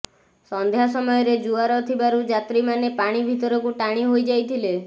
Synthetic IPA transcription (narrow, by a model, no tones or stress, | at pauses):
sɔnd̪ʱjasɔmɔjɔɾed͡ʒuaɾɔt̪ʰibaɾud͡ʒat̪ɾimanepaɽ̃ibʱit̪ɔɾɔkuʈaɽ̃iɦojd͡ʒajt̪ʰile